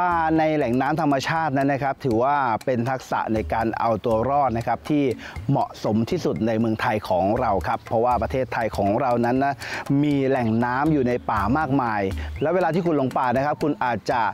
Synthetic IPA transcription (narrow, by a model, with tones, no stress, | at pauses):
paː˨˩na˧jlɛ˨˩ŋnaː˦˥mt̪ʰa˧mːa˧t͡ɕʰaː˥˩t̪̚na˦˥nːa˦˥kʰa˦˥p̚t̪ʰɯː˩˦waː˥˩pe˧nt̪ʰa˦˥k̚sa̰˨˩ʔna˧jkaː˧nʔa̰˧wt̪u˧ɐɾɔː˥˩t̪̚na˦˥kʰa˦˥p̚t̪ʰiː˥˩ | mɔ̰˨˩ʔso˩˦mt̪ʰiː˥˩su˨˩t̪̚na˧jmɯ˧əŋt̪ʰa˧jkʰɔː˩˦ŋɾa˧wkʰa˦˥pʰːɔ˦˥waː˥˩pɾa˧t̪ʰeː˥˩t̪ʰːa˧jkʰɔː˩˦ŋɾa˧wna˦˥nːa˦˥miː˧lɛ˨˩ŋnaː˦˥mjuː˨˩na˧jpaː˨˩maː˥˩k̚maː˧jlɛ˦˥we˧laː˧t̪ʰiː˥˩kʰu˧nlo˧ŋpaː˨˩na˦˥kʰa˦˥p̚kʰu˧nʔaː˨˩t̪̚t͡ɕa˨˩